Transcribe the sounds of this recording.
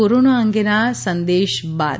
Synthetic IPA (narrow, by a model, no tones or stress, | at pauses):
oɾoːnaːɐŋɡenaːsɐnd̪eːʃba̰ː